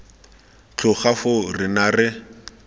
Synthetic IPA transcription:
t͡ɬʰʊχafʊrɪnarɪ

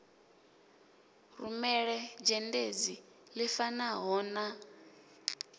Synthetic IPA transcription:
rumɛɺɛd͡ʒɛnded͡zi | lifanaɦɔːna

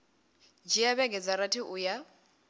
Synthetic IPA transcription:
d͡ʒijabɛɡɛd͡zaɾatʰɪʔʊja

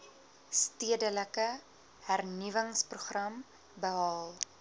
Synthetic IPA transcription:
stiədələkə | hærnivəŋspruχrɐm | bəɦɑːlˠ

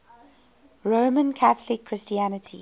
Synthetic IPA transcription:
ɹoːmə̃nkʰaθlɪkʰːɹ̥ɪstiænətʰḭ

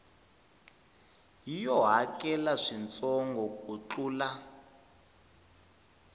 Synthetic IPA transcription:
jijɔɦakɛlaʂint͡sɔŋɡɔkut͡ɬuːla

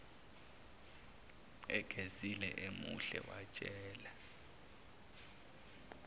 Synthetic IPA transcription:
ɛɡ̥ʱezilɛʔemuɬɛ̰wat͡ʃʼɛːla

